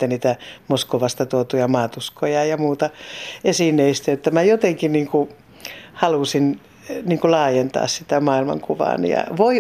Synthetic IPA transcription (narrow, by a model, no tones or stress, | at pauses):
t̪ːænniːt̪æmoskoʋɑst̪ɑt̪uot̪ujɑmɑːt̪uskojɑjɑmuːt̪ɑesinːeist̪æjot̪ːæmæjot̪eŋkinniːŋku | hɑlusin | niːŋkulɑːjent̪ɑ̰ːssit̪æmɑːilmɑ̰ŋkuʋɑ̰ːnḭjɑ̰ʋoi